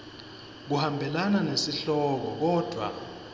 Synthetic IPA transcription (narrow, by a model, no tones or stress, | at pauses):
k̬uhambʱɛlananesiɬɔk̬ɔk̬ɔːd̥ʱwa̰